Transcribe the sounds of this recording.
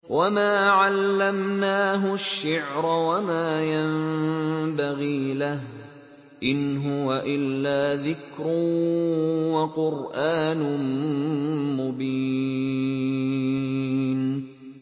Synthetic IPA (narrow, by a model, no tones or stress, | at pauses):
wʔamaːʕalːamnaːɦʊʃːɪʕɾˤawamaːjambaɣiːlah | ʔɪnɦʊwaʔɪlːaːðɪkɾʊ | waqʊɾʔaːnʊ | mʊbi | n